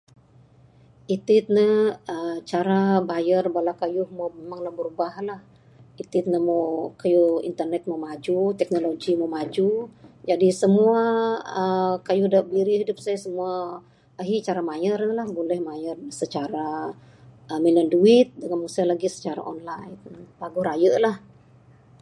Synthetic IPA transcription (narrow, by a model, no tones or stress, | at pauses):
it̪ɪt̪̚nəət͡ʃaɾabajərbalakajʊhmomemaŋlahbəɾubaɦlah | it̪ɪt̪̚nəmowkajuḭnt̪ərnɛt̪̚momad͡ʒut̪ɛk̚noloɡimomad͡ʒud͡ʒadisəmuaəkajudaʔbiɾihidʊp̚sajsəmuaː | ɦit͡ʃaɾamajərəlahbolɛhmajərsət͡ʃaɾa | əmilənduɪt̪̚dəŋanmusalaɡisə̥t͡ʃaɾa̰ʔɔnlajpaɡuɾajəʔlah